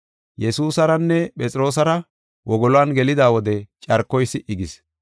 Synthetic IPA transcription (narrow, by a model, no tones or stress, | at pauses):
jɛsuːsɐɾɐnːɛpʼɛt͡sʼɪɾo̞ːs̬ɐɾɐ | wʔɔɡɔlɔanɡɛlɪd̪aːwɔd̪ɛt͡ʃʼɐɾkːɔjsːɪʔɪɡɪs